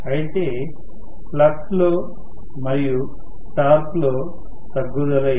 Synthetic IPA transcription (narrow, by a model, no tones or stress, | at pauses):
ɐjt̪eː | plɐʈloː | mɐɾiju | ʈaːɾploː | t̪ɐɡːud̪ɐlɐ